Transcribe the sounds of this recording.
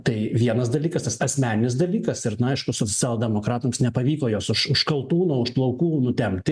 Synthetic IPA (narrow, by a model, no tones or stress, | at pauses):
t̪ɐɪʋʲiɛnɐsd̪ɐlʲiːkɐst̪ɐsɐsʲmʲæːnʲɪnʲɪs̬d̪ɐlʲiːkɐsɪɾnʊɐɪʃkʊsoːt͡s̪ʲæːlˠdʲɛmoːkɾɑːt̪ʊmsnʲɛpɐʋʲiːkoːjoːsʊʃʊʃkɐlˠt̪uːnoːʊʃplˠɐʊkuːnʊt̪ʲɛmʲt̪ʲɪ